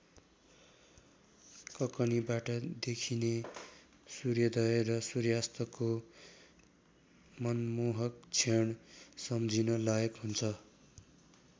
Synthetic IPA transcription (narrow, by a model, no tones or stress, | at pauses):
kʌkʌnibaʈʌd̪ekʰine | surjʌd̪ʌjʌrʌsurjast̪ʌko | mʌnmoɦʌkt͡sʰeɳsʌmd͡zinʌlʌʌkɦunt͡sʰʌ